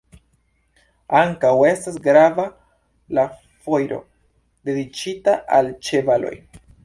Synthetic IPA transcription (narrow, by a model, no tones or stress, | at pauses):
aŋkawe̞stasɡɾava | la | fo̞jɾo̞̰ | de̞dit͡ʃitaʔalt͡ʃe̞valo̞̰j